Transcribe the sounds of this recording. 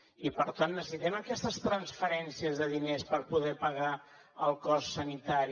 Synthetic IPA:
ipəɾt̪anːəsəsit̪ɛməkɛst̪əst̪ɾənsfəɾɛnsiəzðəðinespəɾpuðɛpəɣa | əlˠkɔssənit̪aɾi

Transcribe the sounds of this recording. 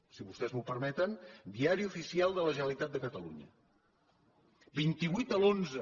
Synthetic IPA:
siβust̪ɛzmupəɾmɛt̪ənd̪iaɾiufisialˠd̪ələʒənəlit̪at̪̚d̪əkət̪əlṵɲə̰ | bint̪iβwit̪əlˠonzə

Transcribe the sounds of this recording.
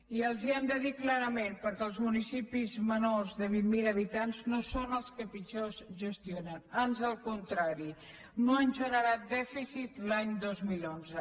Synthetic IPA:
iəlˠziɛmd̪əðiklaɾəmenpəɾkɛːlˠzmunisipizmənorzðəβ̞imːiləβ̞it̪anznosonəlˠskəpit͡ʃozʒəst̪jonənanzəlˠkunt̪ɾaɾi | noənʲʒəɾəɾat̪̚d̪ɛfisit̪laɲd̪ozmilˠonzə

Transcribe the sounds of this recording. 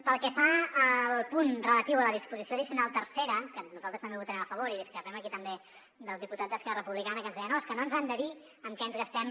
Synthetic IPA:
pəlˠkɛfaːlˠpunrələt̪iwələðispuzisjoəðisiunalˠt̪ərseɾəkənuzalˠt̪ɾəst̪mbeuwt̪ənɛməfəβoɾiðiskɾəpɛməkit̪əmbe | d̪əlˠðiput̪ad̪ðəskɛrərəpuβlikanəkənzðɛjənoəskənonzand̪əði | əmkɛənzɣəst̪ɛm

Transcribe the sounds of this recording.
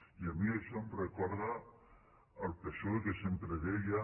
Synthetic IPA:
iamieʃomrekɔɾðaː | lpesoekesempɾeðeja

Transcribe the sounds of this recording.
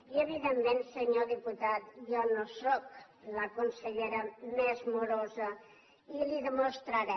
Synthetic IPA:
iəβiðemːensəɲoðiput̪at̪jɔnosɔk | ləkunsəʎeɾəmɛzmuɾozə | iliðəmost̪ɾəɾɛ

